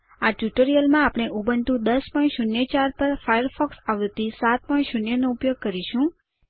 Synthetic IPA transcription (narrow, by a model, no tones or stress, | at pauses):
aʈjuʈəɾijəlmãapɳ̃eʔubəɳt̪ũd̪əspɔĩʃunjət͡ʃaɾpəɾfajəɾfʰɔksaʋt̪isat̪̚pɔĩʃunjənoupjoɡ̚kəɾiʃũ